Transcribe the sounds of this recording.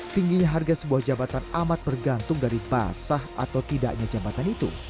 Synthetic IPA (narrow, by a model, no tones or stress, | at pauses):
t̪iŋɡiɲaɦarɡasəbuahd͡ʒabat̪anamat̪̚bərɡant̪ʊŋdaɾiba̰sahʔa̰t̪awt̪ida̰ʔɲad͡ʒabat̪anit̪ṵ